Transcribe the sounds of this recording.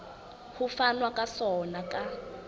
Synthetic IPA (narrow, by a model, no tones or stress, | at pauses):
hufanwakʼasɔnakʼa